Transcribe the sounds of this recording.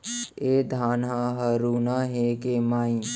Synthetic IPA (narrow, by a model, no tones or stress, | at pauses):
eːd̪ʱaːnɦãɦəɾuːnaːɦekemaːĩ